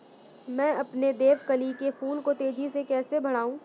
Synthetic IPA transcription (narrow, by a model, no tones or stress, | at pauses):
mɛ̃ːɐpned̪eːʋkɐlikefuːnkot̪eːd͡ʒisekɛːsebʱɐɽ̤aːũː